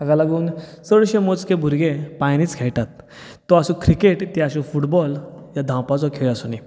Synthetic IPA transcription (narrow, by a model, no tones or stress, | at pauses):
aɡalaɡuːnsəɭɕẽmot͡skẽbʱuɾɡepajniːt͡skʰeɭʈat̪ː | ɔasũkɾikeʈt̪iaɕũfuʈbɔljad̪ʱãwpat͡sɔkʰeɭasuni